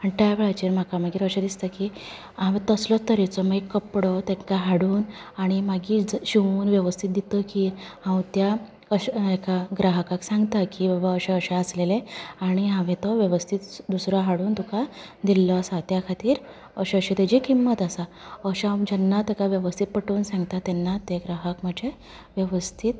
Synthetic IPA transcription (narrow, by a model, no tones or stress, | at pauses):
aɳʈajaʋeɭajt͡ɕeːɾm̤akamaɡiːɾəɕed̪ist̪akiː | ɦãʋẽt̪əslɔt̪əɾet͡sɔmaikːəpɽɔt̪ẽŋkaɦaɽuːnaɽ̃imaɡiːd͡zɕiʋuːnʋjəʋəst̪ʰit̪̚d̪it̪əkiɦãwt̪ja | əɕekaɡɾaɦəkaksãŋɡt̪akibabaəɕeəɕeəsleleaɽ̃iɦãʋẽt̪ɔʋjeʋəst̪ʰit̪d̪usɾaɦaɽuːnt̪ukʰad̪ilːɔsat̪jakʰat̪iːɾ | əɕeəɕet̪ed͡ʑikimːət̪əsa | əɕad͡ʑənːat̪ekaʋjəʋəst̪ʰit̪̚pəʈəːnsãŋɡt̪at̪ɛnːat̪eɡɾaɦəkməd͡ʑʱe | ʋjəʋəst̪ʰit̪